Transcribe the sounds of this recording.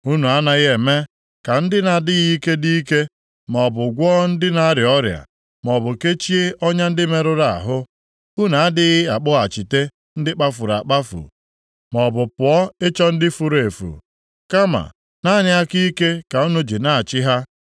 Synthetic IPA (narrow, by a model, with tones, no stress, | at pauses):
u˦nu˨a˦na˨ɣɪ˦e˨me˦ | ka˨n̩˦dɪ˦na˨dɪ˦ɣi˦i˦ke˦di˦i˦ke˦ | m˨ɔ˨bʊ˨ɡʷɔ˦n̩˦dɪ˦na˦a˦ɾɪ˨ɔ˦ɾja̰˨ | m˨ɔ˨bʊ˨ke˦t͡ʃi˦e˦ʔɔ˦ɲa˦n̩˦dɪ˦me˦ɾʊ˦ɾa˨a̰˨ɦʊ˦ | u˦na˨a˦dɪ˦ɣɪ˦a˨k͡pʊ˦a˨t͡ʃi˨te˦ | n̩˦dɪ˦k͡pa˦fʊ˨ɾa̰˨k͡pa˦fṵ˨ | mɔ˨bʊ˨pʊ˨ɔ˦e˦t͡ʃɔ˦n̩˦dɪ˦fu˨ɾe˨fṵ˨ | ka˦ma̰˨ | na˦ɲɪ˦a˦ki˦i˦ke˦ka˨u˦nu˦d͡ʒi˨na˦a˨t͡ʃɪ˦ɦa˦